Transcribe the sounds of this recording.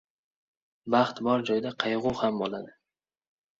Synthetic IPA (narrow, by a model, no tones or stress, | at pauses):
baχt̪bɒɾd͡ʒɒjd̪aqʰɑjʁʊhambolˠad̪ɪ